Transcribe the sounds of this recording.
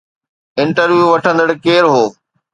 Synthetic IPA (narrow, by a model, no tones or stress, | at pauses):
ɪ̃ɳʈəɾʋjuʋɐʈʰə̃nd̪əɽkeːɾɦoː